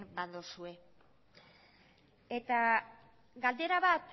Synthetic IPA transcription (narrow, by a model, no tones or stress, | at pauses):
baðosue̞ | et̪a | ɡald̪e̞ɾaβat̪